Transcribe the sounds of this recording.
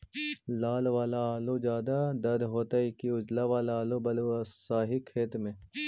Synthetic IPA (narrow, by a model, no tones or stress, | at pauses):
laːlʋaːlaːlod͡ʒjaːd̪ad̪ɐɾd̪ɦoːt̪aɪkiʊd͡ʒlaʋaːlaːlobɐlosaːɦikʰeːt̪mẽ